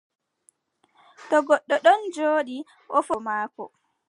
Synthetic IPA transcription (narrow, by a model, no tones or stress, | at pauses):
tɔɡɔɗːɔɗɔnd͡ʒoːɗi | ʔɔfɔmaːkɔ̰